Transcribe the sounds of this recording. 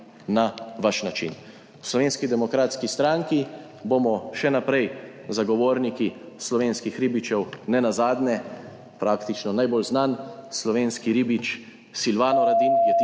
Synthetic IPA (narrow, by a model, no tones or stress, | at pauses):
naʋaʃnat͡ʃḭn | wslɔʋeːnskid̪ɛmɔkɾaːt̪skist̪ɾaŋki | bomɔʃɛnapɾɛj | zaɡɔʋoːɾniki | slɔʋeːnskixɾiːbit͡ʃɛwnɛnazaːd̪nɛ | pɾaːkt̪it͡ʃnɔnajbolznanslɔʋeːnskiɾiːbit͡ʃ | silʋaːnɔɾad̪injɛt̪